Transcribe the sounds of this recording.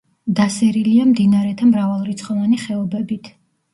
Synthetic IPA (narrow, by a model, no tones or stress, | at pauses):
d̪asɛɾiliamd̪inaɾɛt̪ʰamɾavalˠɾit̪sʰχɔvaniχɛɔbɛbit̪ʰ